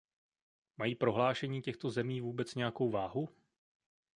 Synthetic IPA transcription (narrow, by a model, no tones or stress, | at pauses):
majiːpɾo̞ɦlaːʃɛɲiːcɛxt̪o̞zɛmiːvuːbɛt͡sɲɛjako̞wvaːɦu